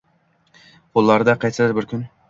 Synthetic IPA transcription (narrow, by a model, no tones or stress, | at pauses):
pʰolˠːaɾd̪aqʰɑjsɨd̪ɪɾbɪɾkʲʰʊn